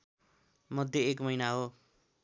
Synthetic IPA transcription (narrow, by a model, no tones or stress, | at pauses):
mʌd̪ʱjʌekmʌjnaɦo